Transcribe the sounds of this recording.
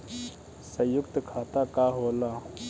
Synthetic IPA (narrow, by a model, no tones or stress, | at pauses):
səjʊkt̪kʰaːt̪akaːɦoːlaː